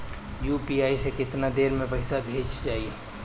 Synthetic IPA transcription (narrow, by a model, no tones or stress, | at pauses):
juːpiaːisekɪt̪nad̪eːɾmẽpəɪsabʱeːt͡ʃd͡ʒaːieː